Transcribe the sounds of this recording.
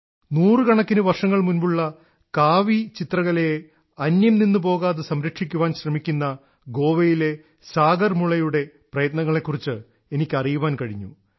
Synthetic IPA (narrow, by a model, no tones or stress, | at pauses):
nuːrɨkɐɳɐkːinuʋɐrʂɐŋːɐɭmunbuɭːɐ | kaːʋit͡ɕit̪rɐɣɐle | ɐnjɐmninːɨpo̞ːɣaːðɨsɐmɾɐkʂikʲːuʋaːnɕrɐmikʲːunːɐ | ɡo̞ːʋɐjile̞ | saːɡɐrmuɭɐjuɽe̞ | prɐjɐt̪nɐŋːɐɭe̞kːurit͡ɕːɨ | e̞nikʲːɐrijuʋaːnkɐɻiɲːṵ